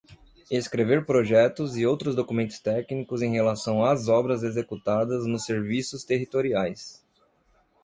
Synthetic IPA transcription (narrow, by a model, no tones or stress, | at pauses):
eskɾeveɾpɾoʒɛt̪ʊzɪowt̪ɾʊzd̪okumẽnt̪ʊ̥st̪ɛknikʊzẽj̃ɦelasɐ̃w̃azɔbɾɐzezekut̪ad̪ɐznʊseɾvisʊst̪eɦit̪oɾiajs